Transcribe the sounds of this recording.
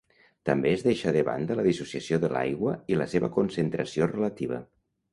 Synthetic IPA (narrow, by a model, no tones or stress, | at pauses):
t̪əmbeːzðeʃəðəβa̰nd̪ələðisusiəsioðəla̰jɣwəiləseβəkunsənt̪ɾəsiorələt̪iβ̞ə̰